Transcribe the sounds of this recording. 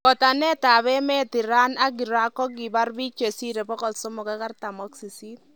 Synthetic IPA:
kɔ˨ta˨nɛ˦ta˨bɛ˦mɛ˦ti˨ɾa˦na˦ɡi˨ɾa˦kɔ˦ɡi˨ba˦rbi˦t͡ʃe˨si˦ɾe˨bɔ˦kɔ˨lsɔ˦mɔ˨ka˦ka˦rta˨mɔ˦ksi˨si˦t

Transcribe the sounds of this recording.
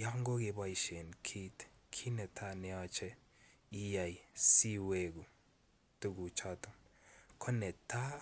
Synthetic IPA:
ja˦ŋɡo˦ɡe˨ba˦i˨ʃe˨nkʰi˦tkʰi˦nɛ˨tʰa˦nɛ˨a˦t͡ʃɛ˦ | i˦ja˨jsi˦we˦ɡu˨ | tu˦ɡu˨t͡ʃa˦tɔ˨mkʰɔ˦nɛ˨ta˦

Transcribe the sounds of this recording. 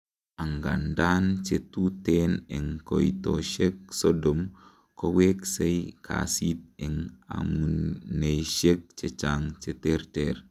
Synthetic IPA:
a˨ŋɡa̰˨nda˦nt͡ʃetu˦tene˨ŋko̰˨jto̰˨ʃe˦k̚so˦do˨m | ko˦we˦kse˦jkʰa̰si˦t̚e˨ŋa̰˨mu˨ne˨ʃe˦k̚t͡ʃe˦t͡ʃaŋt͡ʃe˦te˦ɾteɾ

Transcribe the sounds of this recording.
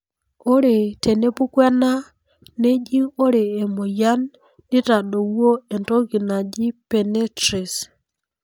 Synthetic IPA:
o˦ɾe˨tʰe˨ne˦pu˦kwɛ˦na˦ | ne˦d͡ʒi˦o˦ɾeː˨mo˨ja˦nː | i˦ta˨ɗo˨wo˦e˨nto˦ki˨na˨d͡ʒi˦pe˨ne˦tɾi˨s

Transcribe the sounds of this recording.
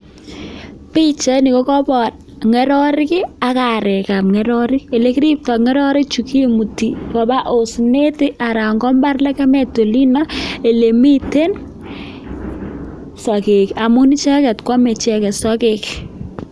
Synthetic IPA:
pi˦t͡ʃɛ˦ni˨kɔ˦kɔ˦pɔ˨t | ŋɛ˨ɾɔ˦ɾɪ˦kɪ˦a˨ka˨ɾɛ˨ka˨p̚ŋɛ˦ɾɔ˦ɾɪ˦ke˨le˦ki˦ɾi˦p̚tɔ˨kŋɛ˦ɾɔ˦ɾɪ˦t͡ʃu˨ki˦mu˨ti˨kɔ˨ba˦ʔo˨sne˦tɪ˦ʔa˨ɾa˨ŋɡɔ˦mba˦rlɛ˦kɛ˦mɛ˨to˨li˦na˦e˨le˨mi˦te˦n | sɔ˨ke˨ka˨mu˦ni˦t͡ʃɛ˦kɛ˨tkwɔ˦mɛ˨t͡ʃɛ˦kɛ˨sɔ˦kek

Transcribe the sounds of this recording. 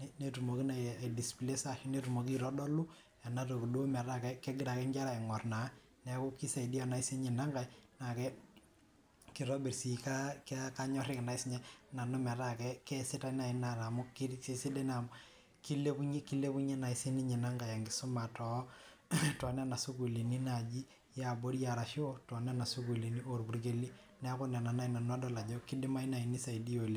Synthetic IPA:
nɛ˦ne˦tu˨mo˨ki˦na˨ja˨idi˨sple˦sa˦ʃi˦ne˦tu˨mo˨ki˦ɾɔ˦dɔ˦lu˦ | ja˨na˨to˨ku˨du˦o˦mɛ˨ɾa˦kɛ˦kɛ˦ɡɪ˦ɾa˨kɛ˦ɲd͡ʒa˦ɾa˨i˨ŋɔ˨rna˨˦ | nɛ˨˦ku˦ki˦sa˨i˨di˦a˨na˨i˦se˦ɲɪ˨na˦ŋɡa˨jna˨kɛ˦ | ki˨ɾɔ˦bi˨ɾsi˨ka˦ka˦ka˦ɲɔ˦ɾɪ˦kɪ˨na˨ɪ˦sɲɛ˦na˨no˦mɛ˨ɾa˨kɛ˦kɛ˦sɪ˦ta˦na˨ɪ˨˦na˨ɾa˨mʊ˦ki˦si˦si˦de˦na˨mʊ | ki˦le˦pu˦ɲ˦ki˦le˦pu˦ɲɛ˦na˨ɪ˦si˦ni˦ɲɪ˨na˦ŋɡa˨ja˨ŋɡɪ˨sʊ˦ma˨tɔ˨˦ | tɔ˨na˦na˨su˦ku˨li˨ni˦na˨d͡ʒi˦ | ja˨bo˦ɾja˨ɾa˨ʃɪ˦o˦tɔ˨n˦a˦na˨su˦ku˨li˨ni˦o˨ɾbu˨ɾɡe˦li˦ | nɛ˦a˦kʊ˦na˨na˨na˦i˨na˨n˦a˦dɔ˦la˨d͡ʒɔ˦kɪ˦dɪ˦ma˦i˦na˨i˨ni˦sa˨i˨di˦o˨li˦

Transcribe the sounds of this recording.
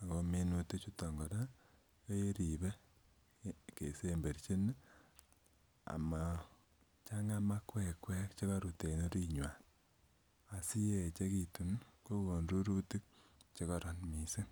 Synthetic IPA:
a˨ko˧me˦nu˧te˦t͡ʃu˦to˨ŋɡɔ˨da˦ | ke˦e˦ɾi˨be˦ | ke˨se˦mbe˨ɾt͡ʃi˦n | a̰˨ma˨ | t͡ʃa˦ŋa˦ma˦kwɛ˦˨kwɛ˦kt͡ʃe˦ka˦ɾu˨te˨no˦ɾi˦ɲwa˨ | a˨si˦je˨t͡ʃe˦ki˨tu˨nko˦ko˨nɾu˦ɾu˦ti˦k̚t͡ʃe˦ka˨ɾɔ˨nmi˨se˦

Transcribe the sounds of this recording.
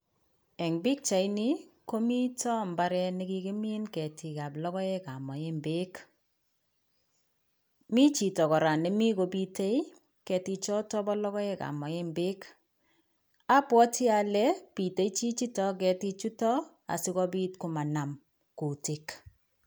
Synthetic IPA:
ɛ˨ŋbi˦k̚t͡ʃa˨jni˦ko˦mi˦tɔ˦mba˦ɾɛ˦ni˦ki˦ke˦mi˦nkɛ˨ti˨ka˨blɔ˦kɔ˦ɛ˦ka̰˨mɔ˨e˦mbɪ˦k | mi˦t͡ʃi˨tɔ˨kɔ˨ɾa˨nɛ˦mi˦ko˨bi˦te˦i˦ | kɛ˨ti˧t͡ʃɔ˦tɔ˦bɔ˦lɔ˦kɔ˦ɛ˦ka̰˨mɔ˨je˦mbɪ˦k | a˦pwɔ˦tʰɪ˦a˨lɛ˦pi˨te˨˦i˦t͡ʃi˦t͡ʃi˦tɔ˦k̬ɛ˨ti˦t͡ʃu˦tɔ˦ | a̰˨sɪ˦kɔ˦bi˦tku˨ma˨na˨m | ku˨ti˨k

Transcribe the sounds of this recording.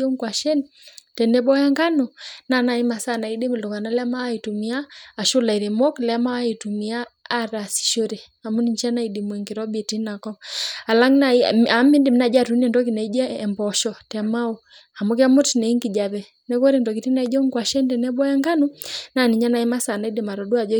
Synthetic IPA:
ɔ˦ŋkwa˨ʃɛ˦n | tɛ˨nɛ˦ɓɔ˦ja˦ŋɡa˦nu˨na˦na˨i˦ma˨sa˦na˨i˦di˦mi˨lɔ˨ka˨na˨lɛ˦ma˦wa˦i˨tu˨mi˦aː˦˨ʃu˦la˨i˨ɾɛ˨mɔ˦klɛ˦ma˦wa˦i˨tu˨mi˦aː˦ɾa˨si̥˨ʃo˦ɾɛ˨ | a˨mu˦ni˦ɲt͡ʃa˦na˨i˨di˨mwɛ˨ŋɡi˨ɾɔ˦bi˨ti˦na˨kɔ˦a˨la˦ŋna˨˦a˨˦mi˦ndi˨mna˨˦d͡ʒa˦tu˦nɛ˨ndɔ˦k̬i˨na˨i˦d͡ʒɛ˦ɛ˨mbɔ˨ʃɔ˨tɛ˨ma˦u˨ | a˨mo˦k̬i˦a˦mu˦tnɛ˨i˦ŋɡi˨d͡ʒa˨βɛ˨ | nɛ˦kɔ˦ɾi˨ndɔ˨k̬i˨ti˦na˨i˦d͡ʒɔ˦ŋkwa˨ʃɛ˦ntɛ˨nɛ˦bɔ˦ja˦ŋɡa˦nu˦na˦˨ni˨ɲa˦na˨i˦ma˦sa˨na˨i˦di˨ma˨ɾɔ˨du˦a˨d͡ʒɔ˦

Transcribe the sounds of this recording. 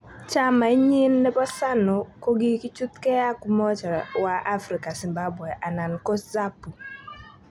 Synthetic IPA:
t͡ʃa˦ma˨i˦ɲɪ˦nːɛ˦pɔ˦sa˦nɔ˨ko˦ɡi˦ki˦t͡ʃu˦t̪kɛ˦a˦ku˦mɔ˦t͡ʃa˨ɾwa˦ʔa˦fɾi˨ka˨si˨mba˦bwɛ˨ʔa˨na˨nkɔ˦za˦pu˨

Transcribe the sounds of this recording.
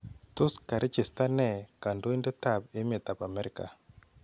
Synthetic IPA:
to˦ska˨ɾʔe˦t͡ʃe˨sta˦nɛ˨ka˨ndo˦i˦nde˦ta˨be˦me˨ta˨pa˨mɛ˦ɾi˦ka̰˨

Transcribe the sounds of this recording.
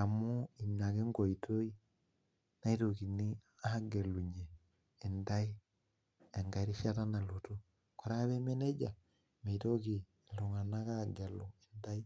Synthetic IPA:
a˨mu˦i˨mɲa˨ke˦ŋɡo˨i˨to˦i˦ | na˦i˦to˨ki˨ni˦ | a˦ha˦ɡe˨lu˨ɲeː˨ | nda˦i˦ | e˨ŋɡa˨ɾi˦ʃa˦ta˦na˨luto˦ | ko˨ɾa˦βe˦me˦ne˦d͡ʒa˨ | me˨ito˦ki˨ | lo˨ŋa˨na˦ka˦˨ɡe˨lu˨e˨nda˦i˦

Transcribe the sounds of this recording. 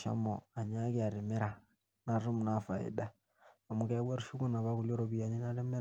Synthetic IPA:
ʃa̰˦mɔ˨a˨ɲa˦ke˦a˨ɾɛ˨mɛ˦ɾa˨ | na˨ɾu˦m˨na˦˨fa˨ḛ˨ɗa˦ | a˨mu˨˦ka˦βwa˦ɾu˦ʃu˦ku˦na˨βa˦ku˨ljɔ˦ɾɔ˨βi˨a˨ɲi˦na˦ɾɛ˦mɛ˦

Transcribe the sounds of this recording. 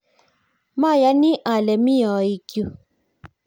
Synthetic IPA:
ma˦˨ja˨˦nĩ˦ʔa˨lɛ˨mĩ˦jɔ˨i˨kjo˨

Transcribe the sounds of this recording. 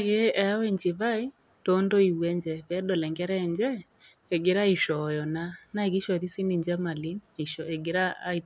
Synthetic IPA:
aɣe˦ɛ˨a˦wɛ˦ɲd͡ʒɪ˨βa˦i˦ | to˨˦ndo˦i˨wɛ˦ɲd͡ʒɛ˦βɛ˦dɔ˨lɛ˨ŋɡɛ˦ɾɛ˦ɲd͡ʒɛ˦ | ɛ˨ɡe˨ɾa˦i˨ʃɔ˨jɔ˨na˦na˦˨ɣi˦ʃɔ˨ði˦si˦ni˨ɲd͡ʒɛ˦ma˨li˦ne˨ʃɔ˨ɛ˨ɡɪ˨˦ɾaː˦i˨

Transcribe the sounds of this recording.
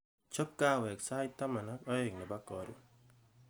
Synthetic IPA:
t͡ʃo˦kːa˦˨wɛ˨ksa˦i˦t̪a˦ma˨na˦kɔ˦e˨ŋnɪ˨ba˦kɔ˨ɾṵ˨

